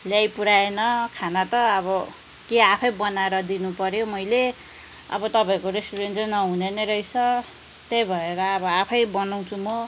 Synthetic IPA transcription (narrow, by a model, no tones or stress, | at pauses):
ljajpuɾaenʌkʰanat̪ʌːβʌ | keapʰʌjbʌnaeɾʌd̪inupʌɾjomʌjle | ʌ̰bʌt̪ʌpaikoɾesʈuɾentʌnʌɦunenʌɾʌjt͡sʰʌ | t̪ejbʱʌeɾʌːbʌapʰʌjbʌnaw̃t͡sʰumʌ